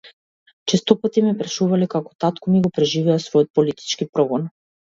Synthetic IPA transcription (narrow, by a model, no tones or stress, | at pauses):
t͡ʃɛst̪ɔpat̪imɛpɾaʃuvalɛkakɔ̥t̪at̪kɔmiɡɔpɾɛʒivɛasvɔjɔt̪̚pɔlit̪i̥t͡ʃkipɾɔɡɔn